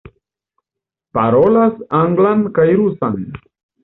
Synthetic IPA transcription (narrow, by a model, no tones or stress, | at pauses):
paɾolasaŋɡlankajɾusan